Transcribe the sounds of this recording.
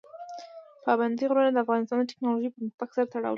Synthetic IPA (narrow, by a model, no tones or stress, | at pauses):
pɑband̪iɣɾunad̪əafɣɑnɪst̪ɑnəʈɪ̥knɑloʒipəmaxbaksaɾat̪aɽɑa̰wə̰